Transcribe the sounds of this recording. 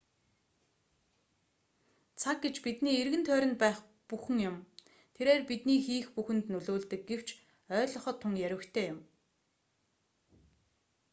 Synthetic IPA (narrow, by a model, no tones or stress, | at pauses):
t͡sʰak̚ɡet͡ɕpit̪niːerɣɘ̆nt̪ʰœːɾʲɪ̆nt̪̚pæːχ | puxɘ̆ŋjʊm | t̪ʰeɾeːrpit̪niːxiːxpuxɘ̆nt̪nɵɮoːɮt̪ɘ̆k̚ɡew̥t͡ɕ | œːɮɞ̆χɞ̆t̪ʰːʊŋjæɾʲwə̆kt̪ʰeːjʊm